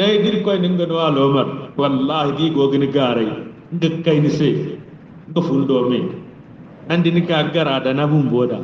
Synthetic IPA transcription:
dajidiɾkojniŋɡɐnuwalomɐɾwalːaːhidiɡoɡiniɡaːɾaj | ŋɡəkːajnise | ŋɡɐfundoːme | nandinikaːkɡaɾaːdanabumboːda̰

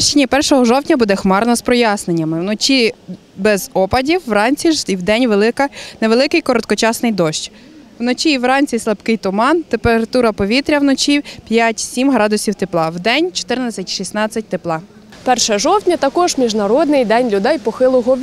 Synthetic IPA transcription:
ʃt͡ʃinʲipɛrʃɔɦɔʒɔwtʲnʲɐbud̪ɛxmɑrnɔspɾɔjɑsne̞nʲːɐmɪwnɔt͡ʃʲi | bɛzɔpɐdʲiwːrɑnʲt͡sʲiiwd̪ɛnʲʋelˠɪkɐneʋelˠɪkɪjkɔɾɔt̪̚kɔt͡ʃɑsnɪjd̪ɔʃt͡ʃʲ | wnɔt͡ʃʲiːwrɑnʲt͡sʲislˠɐpkɪjt̪ʊmɑnt̪empeɾɐt̪uɾɐpɔʋʲit̪ɾʲɐwnɔt͡ʃʲipʲjatʲsʲimɦɾɑd̪ʊsʲiwt̪eplˠɑwd̪ɛnʲt͡ʃɔ̥t̪ɪrnɐt͡sʲːɐtʲʃisnɑt͡sʲːɐt̚ʲt̪eplˠɑ | pɛrʃɛʒɔwtʲnʲɐt̪ɐkɔʒmʲiʒnɐɾɔd̪nɪjd̪ɛnʲlʲʊd̪ɛjpɔxɪlˠʊɦɔ

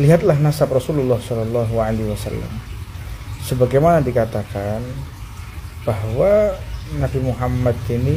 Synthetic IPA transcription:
liɦat̪̚laɦnasaprɔsululːɔhsɔlɔlːɔɦwaliwasa̰lːa̰m | səbaɡajmanadikat̪akan | b̥aɦwanabimuɦamːad̪ini

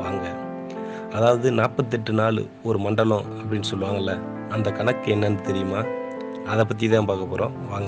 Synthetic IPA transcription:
ʋaːŋɡɐ | ɐðaːʋɐðɯnaːɾpɐt̪̬ːɛʈːɯnaːɭɯ̰ | ɔɾɯmɐɳɖɐlõɐp̬ːɐɽɪnːɯsɔlːɯʋaːŋɡɐlːɐ | ɐnd̪ɐkɐnɐkːɯɛnːɐnd̪ɯt̪ɛɾɪjɯmaː | ɐðɛp̬ːɐt̪̬ːijɐðãːpaːkɐpːɔːɾʔõːʋaːŋɡɐ

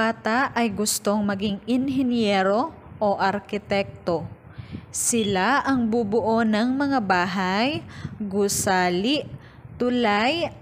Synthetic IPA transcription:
aːt̪aʔɐjɡʊst̪oŋmɐɡɪŋɪnɦɪnjɛːɾo̞ | ʔoʔɐɾkɪt̪ɛk̚t̪o | sɪlaʔɐŋbubʊʔonɐŋmɐŋabaːɦajɡʊsaːlɪʔ | t̪ʊlaj

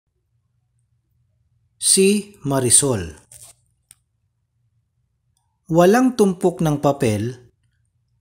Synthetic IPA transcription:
simɐɾɪsol | wɐlaŋt̪ʊmpoknɐŋpɐpɛl

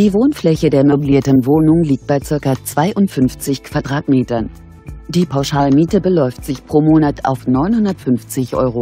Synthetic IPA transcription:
d̥iːvoːnflɛçədeːɐmɔbliːɐtən̩voːnʊŋliːk̚t̚b̥aɪt͡sɪɐkɐt͡sv̥aɪʔʊntfʏnft͡sɪçkv̥adʁaːtmeːtɐn | d̥iːpʰaʊʃaːlmiːtəbəlɔʏftz̥ɪçpʁ̥oːmoːnatʰa̰ʊfnɔʏnhʊndɐtfʏnft͡sɪçʔɔ̰ʏʁo

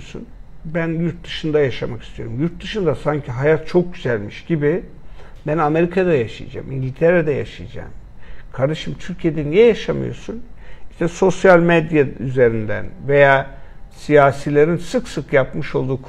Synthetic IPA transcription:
sṵnbænjuɾt̪̚d̪ɯʃɯnd̪ajaʃamakʰi̥st̪ʰijo̞ɾumjuɾt̪̚d̪ɯʃɯnd̪asaɲcʰiɦajat̪̚t͡ʃʰo̞k̚ɟyzælʲmiʃɟibi | bæname̞ɾikʰad̪ajaʃɯ̰j̰d͡ʒa̰ːmʔḭɲɟʲilʲt̪ʰeɾed̪ɛja̰ʃɯ̰jd͡ʒa̰ːmkʰaɾd̪aʃɯmt̪ʰyɾcʰije̞d̪ɛnijɛjaʃamɯ̰jo̞̰ɾsuniʃt̪ʰɛso̞sjalʲmed̪jayze̞ɾind̪æ̰nve̞jaːsijaːsilʲeɾinsɯksɯkjapmɯʃo̞lˠd̪uːk

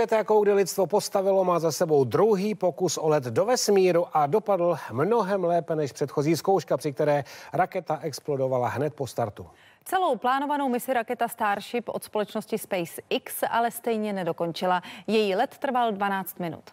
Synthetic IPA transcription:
ɛt̪ɛjakowɡdɪlɪtt͡st̪vopo̞st̪avɪlo̞maːzasɛbo̞wd̪ɾuɦiːpo̞kusʔolɛt̪do̞vɛsmiːɾuʔado̞padl̩mno̞ɦɛmlɛːpɛnɛʃpr̥ɛt̪xo̞ziːsko̞wʃkapr̥ɪk̚t̪ɛɾɛːɾakɛt̪aʔɛksplo̞do̞valaɦnɛt̪̚po̞st̪aɾt̪u | t͡sɛlo̞wplaːno̞vano̞wmɪsɪɾakɛt̪ast̪aːɾʃɪpʔo̰t̪spo̞lɛt͡ʃnoscɪspɛjsʔɪksʔalɛst̪ɛjɲɛnɛdo̞ko̞nt͡ʃɪlajɛjiːlɛt̪ːr̩valdvanaːt͡st̪mɪnṵt̪

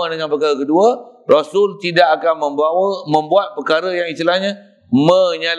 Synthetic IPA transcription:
ədəŋanpərkaɾakəduarasʊlt̪idakakanmə̃mbawəmə̃mbuat̪̚pərkaɾəjaŋist̪ilahɲã | mə̃ɲal

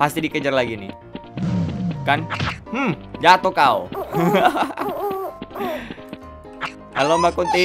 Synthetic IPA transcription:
past̪idikəd͡ʒərlaɡinɪ | kanh̩d͡ʒat̪okaṵ | alombakunt̪i

